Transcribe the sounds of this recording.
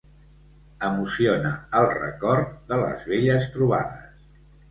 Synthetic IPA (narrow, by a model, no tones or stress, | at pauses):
əmusionəəlˠrə̰kɔɾt̪̚d̪ələ̰zβeʎəst̪ɾuβ̞a̰ðəs